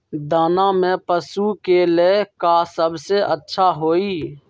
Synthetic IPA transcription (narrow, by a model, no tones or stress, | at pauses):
d̪aːnamẽpəsukelekasəbʱseʔətːʃʰaɦoːiː